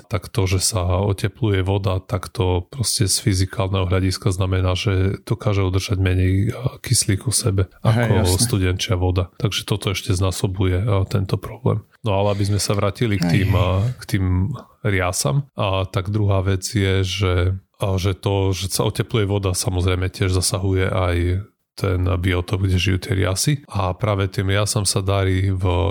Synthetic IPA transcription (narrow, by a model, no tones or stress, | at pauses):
t̪akt̪ɔʒɛsaɔcɛplujɛʋɔd̪at̪akt̪ɔpɾɔscɛsfizikaːlnɛɦɔɦʎaɟiskaznamɛnaːʒɛd̪̥ɔkaːʒɛud̪rʒ̥aɟmɛɲɛjkisliːkusɛbɛakɔsst̪udɛnt͡ʃɪaʋɔd̪at̪aɡʒɛt̪ɔt̪ɔɛʃcɛznaːsɔbujɛt̪ɛnt̪ɔpɾɔblɛ̰ːm | nɔalɛabizmɛsaʋɾaːcilikt̪iːmkt̪iːm | ɾɪasa̰mt̪aɡd̪ɾuɦaːʋɛd͡zjɛʒɛ | ʒɛt̪ɔʒɛsaʔɔcɛplujɛʋɔd̪asamɔzɾɛjmɛcɪɛʒzasaɦujɛʔaj | t̪ʰɛnbiɔt̪ɔbɡɟɛʒijuːt̪ɪɛɾɪa̰siapɾaːʋɛt̪iːmɾɪasamsad̪aɾiːv